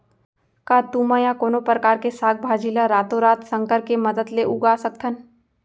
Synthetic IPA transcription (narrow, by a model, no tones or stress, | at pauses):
kaːt̪uːmãjakoːnopɾəkaːɾkesaːɡ̚bʱaːd͡ʒiləɾaːt̪oɾaːt̪sɐ̃ŋkəɾkemɐd̪əd̪leʔuɡaːsət̪̚kʰən